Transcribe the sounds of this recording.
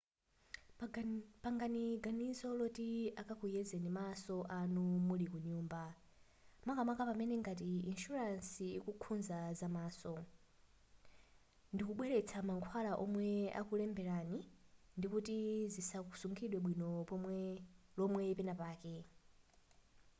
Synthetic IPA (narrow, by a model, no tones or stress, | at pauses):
paŋɡaniɡanisɔlɔtiakakujɛzɛnimasɔʔanumulikuɲuːmba | makamakapamɛnɛŋɡat̬iinʃuɾansiːkukʰunzazamaːsɔ | ndikuɓwɛɾɛt͡sʰamaŋkʰwalaʔɔmwɛa̰kulɛmbɛɾani | ndikutizisaku̥suŋɡʰiɗwɛɓwinɔ | lɔmwɛpɛnapaːkɛ